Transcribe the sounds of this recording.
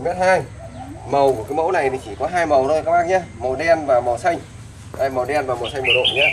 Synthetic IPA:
mɛ˦˥t̚haː˧j | mə˨˩wku˧˩ka˨˦jmo̰˧˥wna˨˩jt̪i˨˩t͡ɕi˧˩kɔ˨˦ɦaː˧jmə˨˩wn˨˦˧a˦˥maː˦˥k̚ɲaː˧mə˨˩wɗɛ˧nvaː˨˩mɔ˨˩sa˧jŋ̟ | haː˧jmə˨˩wɗɛ˧nvaː˨˩mə˨˩wsa˧ŋ̟mə˨˩wɗo̰˧˨nɲaː˧

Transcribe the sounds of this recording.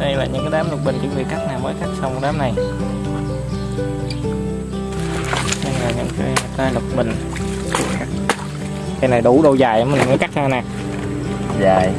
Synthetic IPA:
ɗə˧jlaː˨˩ɲɨ̰˧˥ŋkaː˨˦ɗaː˨˦mlɨ˨˩k͡p̚ɓï˨˩ŋ̟t͡ɕɨ̰˧˥˦ŋvḭ˧˨ka˦˥k̚naː˨˩wməː˨˦jka˦˥k̚swŋ͡mɗaː˨˦mna˨˩j | ɲə˧ŋlaː˨˩ɲɨ̰˧˥ŋkaː˨˦jt̪aː˧jlɨ˨˩k͡p̚mï˨˩ŋ̟ | t͡ɕɨ̰˧˩ka˦˥k̚ | ka˧jna˨˩jɗu˧˩ɗo˧wzaː˨˩jʔa˨˦mï˨˩ŋmə˨˦ka˦˥k̚haː˧˩naː˨˩ | zaː˨˩j

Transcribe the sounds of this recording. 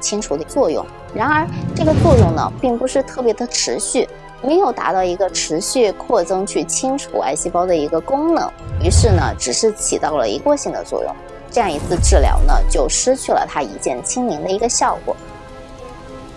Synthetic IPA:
t͡ɕʰi˥ŋʈ͡ʂʰu˧˥d̪ə˧t͡swɔ˥˧jʊ̰˥˩ŋ | ɻa˧˥nə˞˧˥ʈ͡ʂɤ˥˩ɡə˩t͡swɔ˥˧jʊ˥˩ŋnə̰˩pi˥˩ŋpu˧˥ʂɻ̩˥˧t̪ʰɤ˥˩pjɛ˧˥d̪ə˧ʈ͡ʂʰɻ̩˧˥ɕy˥˩ | me˧˥ɪjo˨˩ʊt̪a̰˧˥t̪ɑ˥˩ʊi˧˥ɡə˧ʈ͡ʂʰɻ̩˧˥ɕy˥˧kʰwɔ˥˩t͡sɤ˥ŋt͡ɕʰy˥˩t͡ɕʰi˥ŋʈ͡ʂʰṵ˧˩a̰˧˥ɪɕi˥pɑ˥ʊd̪ə˨i˧˥ɡə˧kʊ˥ŋnɤ̰˧˥ŋy˧˥ʂɻ̩˥˩nə̰˩ʈ͡ʂɻ̩˨˩ʂɻ̩˥˩t͡ɕʰi˨˩t̪ɑ˥˩ʊlə̰˩ḭ˧˥kwɔ˥˧ɕi˥˩ŋd̪ə̰˩t͡swɔ̰˥˧jʊ̰˥˩ŋ | ʈ͡ʂɤ˥˧jɑ˥˩ŋi˧˥t͡sʰɹ̩˥˧ʈ͡ʂɻ̩˥˩ljɑ̰˧˥ʊnə̰˧t͡ɕjo˥˩ʊʂɻ̩˥t͡ɕʰy˥˩lə̰˩t̪ʰa˥ḭ˧˥t͡ɕjɛ˥˩nt͡ɕʰi˥ŋli˧˥ŋd̪ə˧i˧˥ɡə˧ɕjɑ˥˩ʊkwɔ̰˨˩˦

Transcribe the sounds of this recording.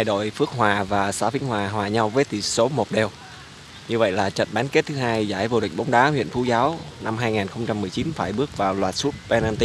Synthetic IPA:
aː˧˩jɗo̰˧˨jfɨ˦˥ək̚ɦwaː˨˩vaː˨˩saː˨˧˦wfi˨˦əŋ̟ɦwaː˨˩ɦwaː˨˩ɲa˧wvəː˨˦jt̪ḭ˧˩so˨˦mo˨˩t̚ɗe˨˩w | ɲɨ˧və̰˧˨jlaː˨˩t͡ɕə̰˧˨nɓaː˨˦nke˦˥t̚t̪ʰɨ˨˦ɦaː˧jzaː˧˩jvo̰˨˧˩ɗï̟˨˩ɓa˨˦ŋ͡mɗaː˨˦hwḭ˧˨ənfu˧˦zaː˨˦wna˧mɦaː˧jŋaː˨˩nxə˧wŋ͡mt͡ɕa˧mːɨ˨˩əjt͡ɕi˨˦nfaː˧˩jɓɨ˦˥ək̚vaː˨˩wlwaː˨˩t̚su˦˥t̚pɛ˧naː˧nt̪i˧˦

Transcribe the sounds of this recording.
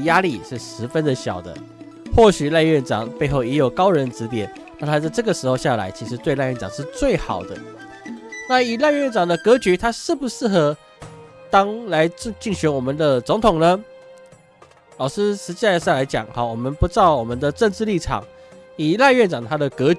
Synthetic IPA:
ja˦˥li˥˧ʂɻ̩˥˩ʂɻ̩˧˥fə˦nd̪ə˨ɕjɑ̰˨˩ʊd̪ə̰˦ | xwɔ˥˩ɕy˨˩la˥˧ɥɛ˥˩nʈ͡ʂɑ̰˨˩˦ŋpe˥˧ɪxo˥˩ʊɛ˧˥jo˨˩ʊkɑ˥ʊɻə˧˦nʈ͡ʂɻ̩˧˥t̪jɛ̰˨˩˦n | na˥˧˩t̪ʰa˥t͡sa˥˧ɪʈ͡ʂɤ˥˩ɡə˩ʂɻ̩˧˥xo˥˧ɕja˥˩la̰˧˥ɪt͡ɕʰi˧˥ʂɻ̩˧˥t̪we˥˧la˥˧ɪɥɛ˥˨nʈ͡ʂɑ˨˩ŋʂɻ̩˥˧t͡swe˥˩ɪxɑ̰˨˩ʊd̪ə˦ | na˥˨i˨˩la˥˧ɥɛ˥˩nʈ͡ʂɑ˨˩ŋd̪ə˧kɤ˧˥t͡ɕy˧˥t̪ʰa˥ʂɻ̩˥˩pu˨˦ʂɻ̩˥˩xɤ˧˦ | t̪ɑ˥ŋla˧˦ɪ˥˧t͡ɕi˥˩ŋɕy˧˦nwɔ˨˩mə˨nd̪ə˨t͡sʊ˧˥ŋt̪ʰʊ˨˩ŋnə˨ | lɑ˨˩ʊʂɻ̩˦˥ʂɻ̩˧t͡ɕi˥˧a˥˩˧sla˧˥ɪt͡ɕjɑ̰˨˩ŋhɔ˨˩wɔ˨˩mə˦npu˧˥t͡sɑ˥˩ʊwɔ˨˩mə˨˦nd̪ə˨ʈ͡ʂə˥˧ŋʈ͡ʂɻ̩˥˧li˥˩ʈ͡ʂʰɑ̰˨˩ŋ | i˨˩la˥˧ɥɛ˥˩nʈ͡ʂɑ˨˩ŋət̪ʰa˥d̪ə˨kɤ˧˥

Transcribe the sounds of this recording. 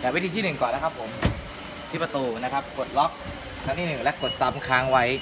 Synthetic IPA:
k̪ɛː˨˩wi˦˥t̪ʰiː˧t̪ʰiː˥˩nɯ˨˩ŋkɔː˨˩nːa˦˥kʰa˦˥pʰːo˩˦m | t̪ʰiː˦˥˩pɾa˧t̪uː˧na˦˥kʰa˦˥p̚ko˨˩t̪̚lɔ˦˥k̚ | lʰaː˧˦˥ŋt̪ʰiː˥˩nɯ˨˩ŋlɛ˦˥ʔko˨˩t̪̚sa˦˥mkʰaː˦˥ŋwa˦˥j

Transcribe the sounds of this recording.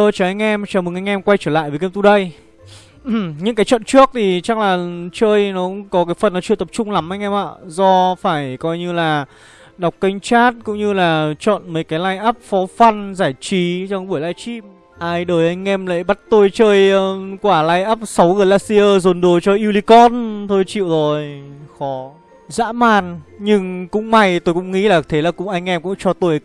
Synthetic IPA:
əː˧t͡ɕɔ˨˩ʔa˧jŋ̟ʔɛ˧mt͡ɕɔː˨˩mɨ˨˩ŋʔa˧ŋ̟ʔɛ˧mkwa˧jt͡ɕəː˧˩la̰ː˧˨jvəː˨˦kmt̪u˧˩ɗə˧j | ɲɨ̰˧˥ŋkaː˨˦jt͡ɕɔ̰˧˨nt͡ɕɨ˦˥ək̚t̪ʰi˨˩t͡ɕa˦˥k̚laː˨˩t͡ɕəː˧jnɔ˨˦kʊ̰˧˥ŋ͡mkɔ˨˦kaː˨˦jfə˨˩nːɔ˨˦t͡ɕɨ˧˨t̪ə˨˩p̚t͡ɕʊ˧ŋ͡mla˨˦mʔa˧jŋ̟ʔɛ˧mʔa̰ː˧˨zɔ˧faː˧˩jkɔ˧jɲɨ˧laː˨˩ | ɗa˨˩wk͡p̚kə˧jŋ̟t͡ɕaː˦˥t̚kʊ̰˧˥ŋ͡mɲɨ˧laː˨˩t͡ɕɔ̰˧˨nməː˨˦jkaː˨˦jla˧jʔəː˦˥p̚fɔ˨˦fa˧nzaː˧˩jt͡ɕi˨˦zɔ˧ɓu˧˩əjlaː˧jt͡ɕi˦˥p̚ | ʔaː˧jɗəː˨˩jʔa˧jŋ̟ʔɛ˧mla̰ː˧˨jɓa˦˥t̚t̪o˧jt͡ɕəː˧jːkwaː˧˩laː˧jʔaː˦˥p̚sa˨˦wɣəː˨˩laː˧k̚si˧ʔəː˧zo˨˩nɗo˨˩t͡ɕɔ˧ʔi˧wli˧kɔ˧nt̪ʰo˧jt͡ɕḭ˧˨wzo˨˩jxɔ˨˦ | za̰ː˧˥maː˨˩nɲɨ˧ŋkʊ̰˧˥ŋ͡mma˧˩jt̪o˧jkʊ̰˧˥ŋ͡mŋḭ˧˥laː˨˩t̪ʰe˨˦laː˨˩kʊ̰˧˥ŋ͡mʔa˧jŋ̟ʔɛ˧mkʊ̰˧˥ŋ͡mt͡ɕɔ˧t̪o˧j

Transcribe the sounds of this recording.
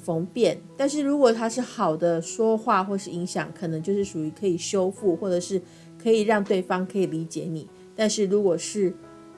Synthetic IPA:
fɤ˧˥ŋpjɛ˥˩nt̪a˥˧nʂ̬ɻ̩˥˩ɻu˧˥kwɔ˨˩t̪ʰa˥ʂɻ̩˥˩xɑ˨˩ʊd̪ə˦ʂwɔ˥xwa˥˧xwɔ˥˩˨ʂɻ̩˥˩i˧˥ŋɕjɑ˨˩˦ŋkʰə˨˩nɤ˧˦ŋt͡ɕjo˥˧ʊʂɻ̩˥˩ʂu˨˩y˧˥kʰɤ˧˥i˨˩ɕjo˥ʊfu˥˧xwɔ˥˩ʈ͡ʂɤ˨˩ʂɻ̩˥˩ | kʰɤ˧˥i˨˩ɻɑ˥˧ŋt̪we˥˩ɪfɑ˥ŋkʰɤ˧˥i˨˩li˧˥t͡ɕjɛ˨˧˦ni˨˩˦ | t̪a˥˧nʂɻ̩˥˩ɻu˧˥kwɔ˨˩ʂɻ̩˥˩

